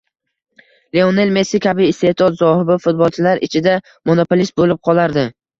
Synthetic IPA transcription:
leone̞lme̞sːɪkʲʰabɪːst̪e̞t̪ʰɒt̪zɒhɪbɪfʊt̪̚bɒlˠt͡ʃʰɪlaɾɪ̰t͡ʃʰɪd̪a | monopolist̪̚bolɪp̚qʰɒlˠaɾd̪ɪ

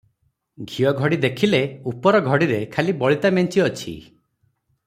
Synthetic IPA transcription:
ɡʱiɔɡʱɔɽid̪ekʰileupɔɾɔɡʱɔɽiɾekʰalibɔɭit̪ament͡ʃiɔt͡ʃʰḭ

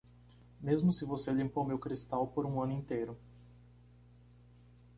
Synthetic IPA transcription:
mezmʊsɪvoseɐlĩmpomewkɾist̪awpoɾũɐ̃nʊĩnt̪ejɾʊ

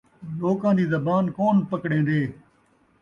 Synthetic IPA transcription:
loːkãːd̪iːzəbaːnkoːnpəkɽẽːd̪eː

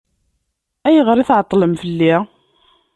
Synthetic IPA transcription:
æjʁəɾˤiθʕət̪ˤːləmfəlːi

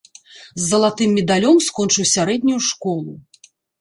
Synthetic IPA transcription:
zːɐlˠat̪ɨmːʲɛd̪alʲɔmskɔnt͡ʂɨwsʲaɾɛd̪ʲnʲujuʂkɔlˠu

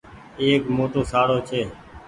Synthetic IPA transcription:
eːkmoːʈoːsaːɽoːt͡ʃʰeː

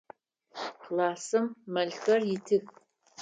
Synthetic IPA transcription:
qlaːsɨmːɐɮxɐrjɪtʰɨx

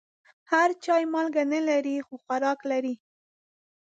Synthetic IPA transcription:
haɾt͡ʃɑjmɑlɡanalaɾixoxwaɾɑklaɾi

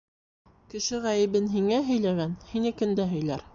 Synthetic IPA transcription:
kɘ̆ʃɘʁæjɘ̆βɘnɦiŋæɦɵ̆jlæɡænhinɘ̆kɘ̆nd̪æɦɵ̆jlæɾ

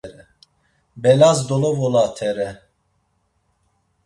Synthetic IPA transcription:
ɾɛ | bɛlazd̪ɔlɔvɔlat̪ʰɛɾɛ

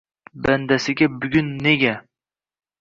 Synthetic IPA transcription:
band̪asɪɡʲabʊɡʲʊnːeɡʲa

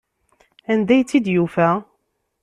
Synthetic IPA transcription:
ænd̪æjt͡sːid̪jufæ

